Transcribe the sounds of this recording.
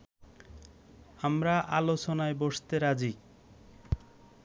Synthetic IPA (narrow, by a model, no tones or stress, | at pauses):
amɾaʔalot͡ɕonaeboʃt̪eɾad͡ʑik